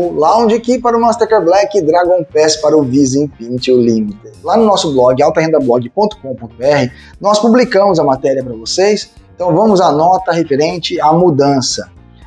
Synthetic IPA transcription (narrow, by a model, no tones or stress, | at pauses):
ʊlaw̃d͡ʒakipaɾʊmɐ̃st̪eɾkeɾblɛkɪd̪ɾaɡõpɛspaɾɐʊvizẽpĩnt͡ʃɪʊlĩmit̪ɪlanʊnɔsʊblɔɡɪawt̪ɐɦẽnd̪ɐblɔɡɪpõnt̪ʊ̥kõpõt̪ʊbeɛhɪ | nɔspublikɐ̃mʊzɐmat̪ɛɾiɐpɾɐvosejs | ẽt̪ɐ̃w̃vɐ̃mʊzanɔt̪ɐɦefeɾẽnt͡ʃɪamud̪ɐ̃sɐ